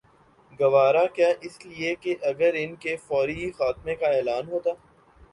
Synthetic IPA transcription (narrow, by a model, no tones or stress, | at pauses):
ɡɐʋaːɾakjaːʔɪsliekeʔɐɡəɾɪnkefɔːɾixaːt̪mẽkaɛːlaːnɦoːt̪aː